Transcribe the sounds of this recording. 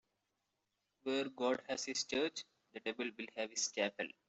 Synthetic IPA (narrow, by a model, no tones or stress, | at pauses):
ʋeːɾɡɔːɖhæzhɪst͡ʃəːɾt͡ʃ | d̪əʈeːbəlʋɪlhæʋɪst͡ʃæːpə̰l